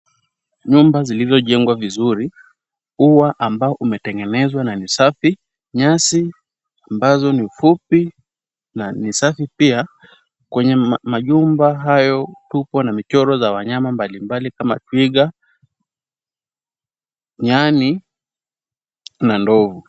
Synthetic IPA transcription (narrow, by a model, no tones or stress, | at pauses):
ɲumbazilizɔʄɛŋɡwavizuɾi | uwaʔambaɔʔumɛtɛŋɡɛnɛzwananisafi | ɲasi | ambazɔniufupi | nanisafipia | kwɛɲɛmaʄumbaɦajɔtupɔnamit͡ʃɔɾɔzawaɲamambalimbalikama̰twiɠa | ɲani | nandɔvu